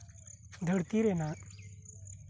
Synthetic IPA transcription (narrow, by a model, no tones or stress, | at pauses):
d̪ʱəɽt̪iɾenaɾ